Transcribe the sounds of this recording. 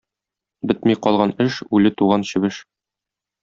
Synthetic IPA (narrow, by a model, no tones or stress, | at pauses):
bɘt̪miqɒlˠʁɑnɘʃʉlɘt̪uʁɑnɕɘ̆bɘʃ